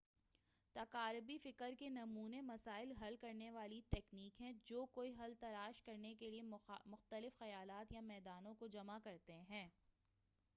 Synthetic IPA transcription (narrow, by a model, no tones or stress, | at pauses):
t̪ɐkaːɾbifɪkəɾkenɐmuːnemɐsaːɪlɦɐlkɐɾneʋaːlit̪ɛːkniːkɦɛ̃d͡ʒoːkoːiɦɐlt̪ɐlaːʃkɐɾnekeliemʊxt̪əlɪfxɐjaːlaːt̪jamɛːd̪aːnõkod͡ʒɐmakɐɾt̪eɦɛ̃ː